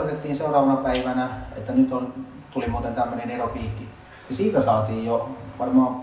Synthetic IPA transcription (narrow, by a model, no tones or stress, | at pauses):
ot̪et̪ːiːnseurˑɑːʋɑnɑpæiʋænæḛt̪ːænyt̪on | t̪ulimuːt̪ent̪æmːøneneropiːkːi | nisiːt̪æsɑːt̪iːjjoʋɑrmɑːm